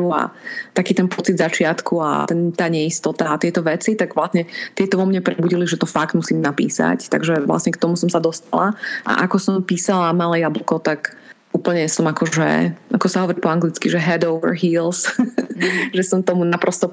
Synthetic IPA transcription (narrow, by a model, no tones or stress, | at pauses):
ua̰t̪akiːt̪ɛnpɔt͡sid̪zat͡ʃɪat̪kua̰t̪ɛnt̪aːɲɛist̪ɔt̪aːt̪ɪɛt̪ɔʋɛt͡sit̪aɡʋlasɲɛt̪ɪɛt̪ɔʋɔmɲɛpɾɛbuɟiliʒɛt̪ɔfaɡd̪musiːmnapḭːsa̰ct̪a̰ɡʒɛʋla̰sɲɛkt̪ɔmusɔmsad̪ɔst̪alaʔa̰ʔakɔsɔmpiːsalamalɛjablukɔt̪ak | ʔuːpl̩ɲɛsɔmakɔʒɛ̰ʔakɔsaɦɔʋɔɾipɔaŋɡlit͡skiʒɛɦɛd̪ɔʊʋɛ̰ɹɦiːls | ʒɛsɔmt̪ɔmunapɾɔst̪ɔ